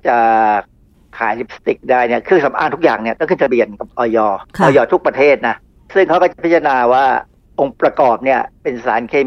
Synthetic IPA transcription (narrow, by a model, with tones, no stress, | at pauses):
t͡ɕa˨˩ | kʰa̰ː˨˩˦jli˦˥p̚st̪i˨˩k̚daː˥˩jni˥˩ɐkʰɯ˥˩ŋsa˩˦mʔa̰ː˧˩t̪ʰu˥k̚aː˨˩ŋni˥ɐt̪ɔː˥˩ŋkɯ˥˩ŋt͡ɕa˧bi˨˩ənka˨˩p̚ʔɔː˧jɔː˧ɔː˧jɔː˧t̪ʰu˦˥k̚pɾa˧t̪ʰeː˥˩t̪̚na˦˥ | sɯ˥˩ŋkʰa˦˥wkɔː˥˩t͡ɕa˨˩pʰt̪ʰːa˧naː˧waː˥˩ | ʔo˧ŋpɾa˧kɔː˨˩p̚ni˥˩ɐpe˧nsaː˩˦nkʰeː˧m